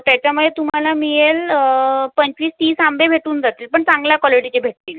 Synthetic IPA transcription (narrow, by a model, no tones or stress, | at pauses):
t̪jat͡ɕjamuet̪um̤alamijel | pəɲt͡ɕʋiːst̪iːsambebʱeʈuːnd͡zat̪iːlpəɳt͡sãŋɡljakʋɔliʈit͡ɕebʱeʈ̚t̪iːl